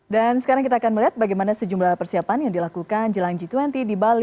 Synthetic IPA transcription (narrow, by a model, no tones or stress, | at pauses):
dansə̥kaɾaŋkit̪̬aːkanməliɦat̪̚baɡajmanasəd͡ʒumlahpərsiapanjaŋdilakukand͡ʒəlaŋd͡ʒit̪wɛnt̪idibali